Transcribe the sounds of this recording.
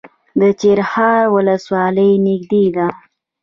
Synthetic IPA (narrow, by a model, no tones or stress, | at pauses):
d̪ət͡ʃeɾhɑɾwʊləswɑləjnɪɡ̚d̪ed̪a